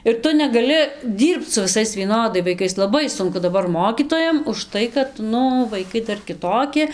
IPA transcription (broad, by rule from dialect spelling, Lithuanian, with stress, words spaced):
ɪr ˈtʊ nʲɛɡɐˈlʲɪ ˈdʲiːrpt͡s sʊ ʋʲɪˈsɐɪs ʋʲiɛˈnoːdɐɪ ʋɐɪˈkɐɪs lˠɐˈbɐɪ ˈsʊŋkʊ dɐˈbɐr ˈmoːkʲiːtoːjɛm ʊʃˈtɐɪ kɐt ˈnʊ ʋɐɪˈkɐɪ ˈdɐr kʲɪˈtoːkʲɪ